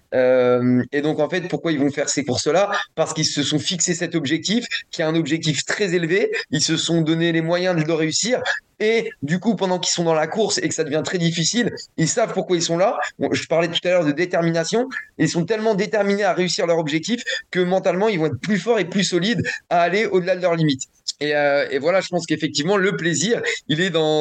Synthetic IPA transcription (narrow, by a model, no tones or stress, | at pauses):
ømed̪ɔ̃kɑ̃fɛt̪̚puʁkwailvɔ̃fɛʁsekuʁsəlapaʁsə̥kilsəsɔ̃fiksesɛt̪ɔbʒɛk̚t̪ifkʲiaɛ̃nɔbʒɛk̚t̪ift̪χɛzelveilsəsɔ̃d̪ɔnelemwajɛ̃d̪əd̪əʁeysiʁ | ed̪ykupɑ̃d̪ɑ̃kilsɔ̃d̪ɑ̃lakuʁsekəsad̪əvjɛ̃t̪χɛd̪ifisililsavpuʁkwailsɔ̃laʒəpaʁlɛt̪u̥t̪alœʁd̪əd̪et̪ɛʁminasjɔ̃ilsɔ̃t̪ɛlmɑ̃d̪et̪ɛʁmineaʁeysiʁlœʁɔbʒɛk̚t̪ifkəmɑ̃t̪almɑ̃ilvɔ̃ɛt̪χəplyfɔʁeplysɔlid̪aːleod̪əlad̪əlœʁlimit̪ | eøevwalaʒəpɑ̃skefɛk̚t̪ivmɑ̃ləpleziːʁilɛd̪ɑ̃